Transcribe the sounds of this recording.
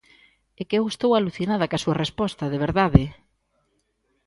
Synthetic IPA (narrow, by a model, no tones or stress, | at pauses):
ekɛwest̪owaluθinað̞ɐkasuɐrespɔst̪ɐðeβ̞eɾðaðɪ